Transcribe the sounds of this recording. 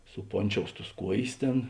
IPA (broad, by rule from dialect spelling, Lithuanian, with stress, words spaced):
sʊˈpoːnʲˌt͡ʃʲoːʊs tʊs ˈkuɔjeːs ˈtʲeːn